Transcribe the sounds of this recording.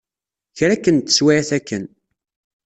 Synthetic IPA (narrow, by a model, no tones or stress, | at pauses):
çɾækːənt̪ə̥swaæθækːən